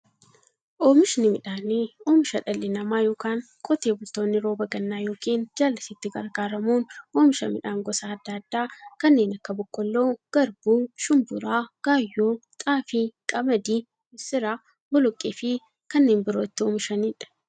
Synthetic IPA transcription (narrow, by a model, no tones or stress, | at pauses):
ʔoːmɪʃnɪmɪᶑaːneoːmɪʃɐᶑɐlːɪnɐmaːjoːkaːŋ | kʼɔt̪eːbʊlt̪oːnːɪɾo̞ːbɐɡɐnːaːjo̞ːkiːnd͡ʒaːlːɪsɪt̪ːɪɡɐ̰ɾɡaːɾɐmuːnoːmɪʃɐ̰mɪᶑaːŋɡɔsaːd̪ːaːd̪ːaːkɐnːe̞ːnɐkːɐbʊkʼːɔlːoːɡ̥ɐɾbuːʃʊmbʊɾaːɡ̥aːjːoːt̪ʼaːfɪkʼɐmɐd̪iː | ɪsɪɾaː | bʊlɔkʼːeːfɪ | kɐnːeːnbɪɾoːɪt̪ːɪoːmɪʃɐniːᶑɐ̥